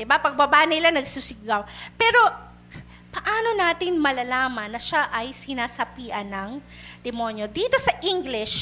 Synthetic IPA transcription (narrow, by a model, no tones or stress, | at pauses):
d̪ɪbapɐɡ̚bɐbaːʔnɐɪlanɐɡsusɪɡawpɛːɾo̞ | pɐʔaːno̞naːt̪ɪnmɐlɐlaːmɐnːɐʃaʔɐjsɪnaːsɐpiːʔɐnːɐŋd̪ɛmo̞njo̞d̪iːt̪o̞sɐʔiŋɡlɪʃ